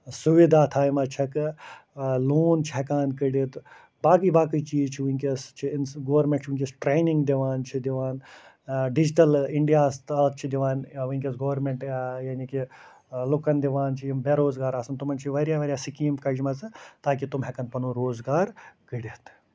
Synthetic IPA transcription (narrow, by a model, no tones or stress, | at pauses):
suʋid̪ʱaːt̪ʰaːjimɐt͡ʃʰɐk | loːnt͡ʃʰiɦɛkaːnkɐɽit̪ | baːkiːbaːkit͡ʃiːzt͡ʃʰiʋunʲkest͡ʃʰinɡɐːʋɐɾmʲẽɳʈt͡ʃʰʋinʲkʲisʈɾeːniŋɡd̪iʋaːnt͡ʃʰid̪iʋaːn | ɖid͡ʒʈɐliɳɖijaːst̪ɐlɐt̪̚t͡ʃʰid̪iʋaːnʋɐnʲkʲisɡɐʋɐɾmeɳʈjaːniki | lukɐnd̪iʋaːnt͡ʃʰijimbeɾoːzɡaːɾaːsɐnt̪umɐnt͡ʃʰiʋɐɾjaːʋɐɾʲjaːsikiːmkɐd͡ʒmɐt͡sɨt̪aːkit̪umɦekɐnpɐnuɾoːzɡaːɾkəɽit̪